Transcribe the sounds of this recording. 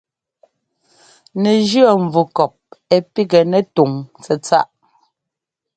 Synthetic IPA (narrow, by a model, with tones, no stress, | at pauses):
nɛ˨d͡ʒɰɔ˦˨ɱ̩˨vu˨kɔ˨p̚ɛ˨pi˦ɡɛ˨nɛ˨tu˨ŋt͡sɛ˨t͡sa˦ʔ